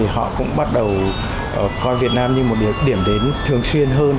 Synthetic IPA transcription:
i˨˩hɔ̰˧˨kʊ̰˧˥ŋ͡mɓa˦˥t̚ɗə˨˩w | ʔə˨˩kɔ˧nvi˨˩ət̚naː˧mɲɨ˧mo˨˩t̚ɗɗi˧˩əmɗe˨˦nt̪ʰɨ˨˩əŋswi˧ənɦəː˧n

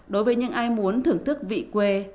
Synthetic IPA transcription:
ɗo˨˦jvəː˨˦jɲɨ̰˧˥ŋʔaː˧jmu˨˦ənt̪ʰɨ˧˩əŋt̪ʰɨ˦˥k̚vḭ˧˨kwe˧

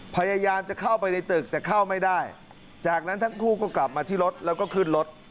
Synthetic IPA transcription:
pʰa˧ja˧jaː˧mt͡ɕa˨˩kʰa˥˩wpa˧jna˧jt̪ɯ˨˩k̚t̪ɛː˨˩kʰa˥˩wma˥˩jdaː˥˩j | t͡ɕaː˨˩k̚na˦˥nt̪ʰa˦˥ŋkʰuː˥˩kɔː˥˩kla˨˩p̚maː˧t̪ʰiː˥˩ɾo˦˥t̪̚lɛː˦˥wkɔː˥˩kʰɯ˥˩nɾo˦˥t̪̚

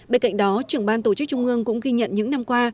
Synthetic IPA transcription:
ɓe˧nka̰˧˨jŋ̟ɗɔ˨˦t͡ɕɨ˧˨˩əŋɓaː˧nt̪o˧˩t͡ɕɨ˦˥k̚t͡ɕʊ˧ŋ͡mʔɨ˧əŋkʊ̰˧˥ŋ͡mɣi˧ɲə̰˧˨nɲɨ̰˧˥ŋna˧mkwaː˧

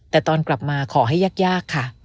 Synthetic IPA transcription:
t̪ɛː˨˩t̪ɔː˧nkla˨˩p̚maː˧kʰɔː˩˦ɦa˥˩jːaː˥˩k̚jaː˥˩kʰːa˥˩

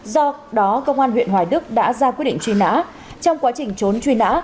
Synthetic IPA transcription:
zɔ˧ɗɔ˨˦kə˧wŋ͡mʔaː˧nɦwḭ˧˨ənɦwaː˨˩jɗɨ˦˥ək̚ɗa̰ː˧˥zaː˧kwt̚ɗḭ˧˨ŋt͡ɕwi˧na̰ː˧˥ | t͡ɕɔ˧wŋ͡mkwaː˨˦t͡ɕï˨˩ŋ̟t͡ɕo˨˦nt͡ɕwi˧na̰ː˧˥

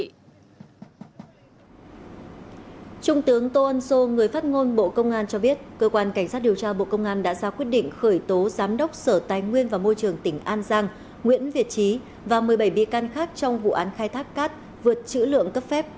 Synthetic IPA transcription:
t͡ɕʊ˧ŋ͡mt̪ɨ˨˦əŋt̪o˧ʔə˧nso˧ŋɨ˨˩əjfa˦˥t̚ŋo˧nɓo̰˧˨kə˧wŋ͡mʔaː˧nt͡ɕɔ˧ɓi˦˥ət̚kəː˧kwaː˧nka˧˩ŋ̟saː˦˥t̚ɗi˨˩əwt͡ɕaː˧ɓo̰˧˨kə˧wŋ͡mʔaː˧nɗa̰ː˧˥zaː˧kwi˦˥ət̚ɗḭ̈˧˨ŋ̟xəː˧˩jt̪o˨˦zaː˨˦mɗə˦˥wk͡p̚səː˧˩t̪aː˨˩jŋwi˧ənvaː˨˩mo˧jt͡ɕɨ˨˩əŋt̪ï˧˩ŋ̟ʔaː˧nzaː˧ŋ | ŋwḭ˧˥ənvi˨˩ət̚t͡ɕi˨˦ | vaː˨˩mɨ˨˩əjɓə˧˩jɓḭ˧˨kaː˧nxaː˦˥k̚t͡ɕɔ˧wŋ͡mvṵ˧˨ʔaː˨˦nxaː˧jt̪ʰaː˦˥kːaː˦˥t̚ | vɨ˨˩ət̚t͡ɕɨ̰˧˥lɨ̰˧˨əŋkə˦˥p̚fɛ˦˥p̚

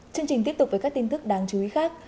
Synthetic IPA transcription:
t͡ɕɨ˧əŋt͡ɕï˨˩t̪̬p̚t̪ʊ˨˩k͡pveː˨˩ka˦˥kt̪i˧nt̪ɨ˦˥k̚ɗaː˨˩ŋt͡ɕu˨˧i˨˦xaː˦˥k̚

